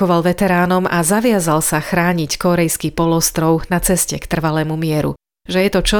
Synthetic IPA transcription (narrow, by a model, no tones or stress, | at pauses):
ɔʋalʋɛt̪ɛɾaːnɔmazaʋɪazalsaxɾaːɲickɔɾɛjskipɔlɔst̪ɾɔʊnat͡sɛscɛ̰kt̪r̩ʋalɛːmumɪɛɾṵ | ʒɛjɛt̪ɔt͡ʃɔ